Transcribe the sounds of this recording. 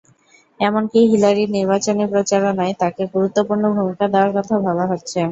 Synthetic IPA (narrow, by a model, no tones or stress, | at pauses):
ɛmonkiɦilaɾiɾniɾbat͡ɕonepɾot͡ɕaɾanaet̪akeɡuɾut̪ːopuɾnobʱumikad̪eoaɾkɔt̪ʰabʱaβaɦotːɕʰe